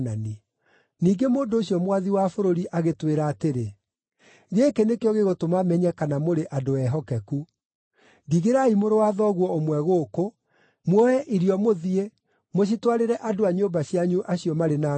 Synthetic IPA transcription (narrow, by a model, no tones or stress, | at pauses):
nani | niːŋɡemoːndoːɕjɔmwaðiwafoɾoɾiʔaɣetweɾaːteɾe | ɣeːkenekejɔɣeɣotomamɛɲɛkanamoɾeʔadoɛɦɔkɛku | diɣeɾaimoɾowaðɔɣwɔomwɛɣoːko | mwɔɛʔiɾiɔmoðie | moɕ̬itwaɾeɾɛʔadoaɲoːbaɕiaɲuʔaɕiɔmaɾena